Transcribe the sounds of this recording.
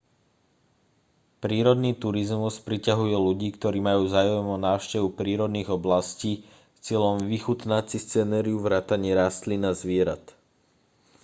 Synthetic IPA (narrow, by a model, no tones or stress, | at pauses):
pɾiːɾɔd̪niːt̪uɾizmuspɾicaɦujɛluɟiːkt̪ɔɾiːmajuːzaːʊɛmɔnaːʊʃcɛʋupɾiːɾɔd̪niːɣɔblasciː | st͡sɪɛʎɔmʋixut̪nat͡sist͡sɛnɛːɾiuʋɾaːt̪aɲɪɛɾaːst̪linazʋɪɛɾat̪